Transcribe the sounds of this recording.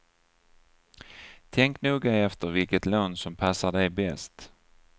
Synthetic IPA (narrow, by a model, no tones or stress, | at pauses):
t̪ʰɛŋknuːɡaɛft̪əɾvɪlkət̪loːnsɔmpʰasaɖɛjbɛst̪